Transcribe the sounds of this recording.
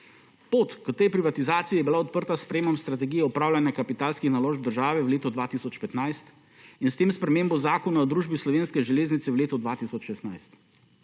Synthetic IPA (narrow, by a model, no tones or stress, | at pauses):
pot̪kɔt̪ːɛjpɾiʋat̪izaːt̪sijiɛbilaɔt̪̚pəɾt̪aspɾɛjeːmɔmst̪ɾat̪ɛɡijɛupɾaːwlanjakapit̪aːlskixnaloːʒb̚d̪əɾʒaːʋɛwleːt̪ɔd̪ʋaːt̪isɔt͡ʃpɛt̪najst̪ | inst̪eːmspɾɛmeːmbɔzaːkɔnaɔd̪ɾuːʒbislɔʋeːnskɛʒɛleːznit̪sɛwleːt̪ɔd̪ʋaːt̪isɔt͡ʃʃɛst̪najst̪